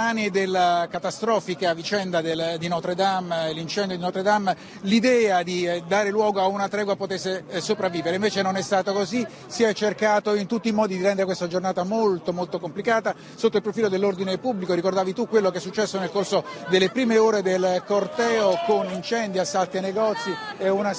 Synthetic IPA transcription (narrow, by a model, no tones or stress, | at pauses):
aːnid̪elːakat̪ast̪ɾɔːfikavit͡ʃɛnd̪ad̪eld̪inɔt̪ɾed̪amelːint͡ʃɛnd̪jod̪inɔːt̪ɾed̪am | lid̪ɛːad̪id̪aːɾelwɔːɡoaunat̪ɾɛːɡwapot̪esːesopɾavːiːveɾeiɱveːt͡ʃenonɛst̪aːt̪okozi | siɛt͡ʃːerkaːt̪oint̪ut̪ːimɔːd̪id̪iɾɛnd̪eɾekwest̪ad͡ʒornaːt̪amolt̪omolt̪okomplikaːt̪a | sot̪ːoilpɾofiːlod̪elːord̪inepubːlikoɾikord̪aːvit̪ukːwelːokeɛsːut͡ʃːɛsːonelkorsod̪elːepɾiːmeoːɾed̪elkort̪ɛːokonint͡ʃɛnd̪iasːalt̪ianːeɡɔt̪sːiɛuna